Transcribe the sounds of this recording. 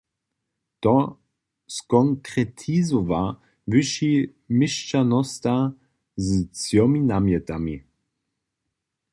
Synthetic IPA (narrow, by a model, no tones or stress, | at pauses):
t̪ɔ | skɔŋkʁɛt̪ʰizova | vɪʃi | mɪʃt͡ʃanɔst̪a | zt͡sjɔminamjɛt̪ami